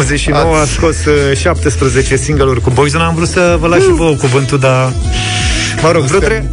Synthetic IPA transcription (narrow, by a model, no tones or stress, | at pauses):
zet͡ʃʃino̞wəasko̞sʃap̚t̪espɾəze̞t͡ʃe̞siŋɡəlurʲkubo̞jzonaːmvɾut̪səvəlaʃivokuvɨnt̪ud̪a | məɾo̞ɡvɾut̪ɾe